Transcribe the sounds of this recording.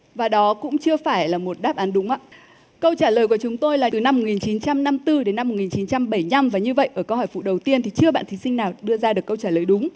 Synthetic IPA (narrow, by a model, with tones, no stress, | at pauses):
vaː˨˩ɗɔ˨˦kʊ̰˧˥ŋ͡mt͡ɕɨ˧əfaː˧˩jlaː˨˩mo˨˩t̚ɗaː˦˥p̚ʔaː˨˦nɗʊ˨˦ŋ͡mʔaː˧˥ | kə˧wt͡ɕaː˧˩ləː˨˩jku˧˩ət͡ɕʊ˨˦ŋ͡mt̪o˧jlaː˨˩ɨ˨˩na˧mːo˨˩t̚ŋi˨˩nt͡ɕi˨˦nt͡ɕa˧mna˧mt̪ɨ˧ɗe˨˦nːa˧m̚ː˨˩ŋi˨˩t͡ɕi˨˦nt͡ɕa˧mɓə˧˩jɲa˧mvaː˨˩ɲɨ˧və̰˧˨jʔəː˧˩kə˧whɔ˧˩jfṵ˧˨ɗə˨˩wt̪i˧ənt̪ʰi˨˩t͡ɕɨ˧əɓa̰ː˧˨nt̪ʰi˨˦sï˧ŋ̟naː˨˩wɗɨ˧əzaː˧ɗɨ˨˩əkːə˧wt͡ɕaː˧˩ləː˨˩jɗʊ˨˦ŋ͡m